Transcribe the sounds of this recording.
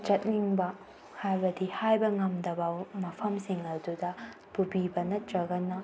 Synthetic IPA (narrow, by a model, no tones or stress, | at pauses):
t͡ʃɐt̚niŋbɐ | hajbɐdihajbɐŋɐmdɐbɐmɐpʰɐmsiŋɐdudɐ | pubibɐnɐd͡ʒɐɡɐnɐ